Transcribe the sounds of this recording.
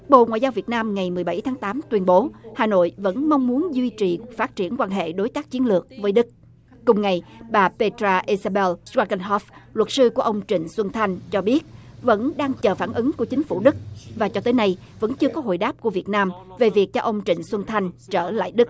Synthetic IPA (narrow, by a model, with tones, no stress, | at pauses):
ɓo̰˧˨ŋwa̰ː˧˨jzaː˧wvi˨˩ət̚naː˧mŋa˨˩jmɨ˨˩əjɓa˧˩jt̪ʰaː˨˦ŋt̪aː˨˦mt̪wi˧ənɓo˨˦haː˨˩no̰˧˨jvə̰˧˥nma˧wŋ͡mmu˨˦ənzwi˧t͡ɕi˨˩faː˦˥t̚t͡ɕi˧˩ənkwaː˧nɦḛ˧˨ɗo˨˦jt̪aː˦˥k̚t͡ɕi˨˦ənlɨ˨˩ək̚vəː˨˦jɗɨ˦˥k̚ | kʊ˨˩ŋ͡mŋa˨˩jɓaː˨˩pe˧t̪ɾaː˧ʔi˧zaː˧ɓɛ˧lzwaː˧ɣə˧nɦɔ˦˥flwə˨˩t̚sɨ˧ku˧˩əʔə˧wŋ͡mt͡ɕï˧˨ŋ̟swə˧nt̪ʰa˧jŋ̟t͡ɕɔ˧ɓi˦˥ət̚və̰˧˥nɗaː˧ŋt͡ɕəː˨˩faː˧˩nʔɨ˨˦ŋku˧˩ət͡ɕï˨˦ŋ̟fu˧˩ɗɨ˦˥k̚vaː˨˩t͡ɕɔ˧t̪əː˨˦jna˧j | və̰˧˥nt͡ɕɨ˧əkɔ˨˦ɦo̰˧˨jɗaː˦˥p̚ku˧˩əvi˨˩ət̚naː˧mve˨˩vi˨˩k̚t͡ɕɔ˧ʔə˧wŋ͡mt͡ɕï˧˨ŋ̟swə˧nt̪ʰa˧jŋ̟t͡ɕəː˧˩la̰ː˧˨jɗɨ˦˥k̚